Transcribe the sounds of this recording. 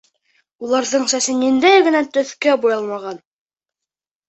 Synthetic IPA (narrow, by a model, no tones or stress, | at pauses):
ulˠɑɾðɤɴsæsɘ̆nind̪æjɡɘ̆næt̪ɵ̆θkæbujɑlˠmɑʁɑn